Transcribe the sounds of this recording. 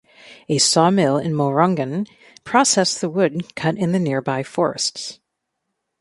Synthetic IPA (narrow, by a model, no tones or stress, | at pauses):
ɨsɔmɪlˠɪ̰̃nmoɹʌ̃ŋɡɨ̃n | pʰɹ̥ɑsɛsðəwʊd̚kʰʌɾɨ̃nðɨnɪɹbaɪfɔɹɨ̰sts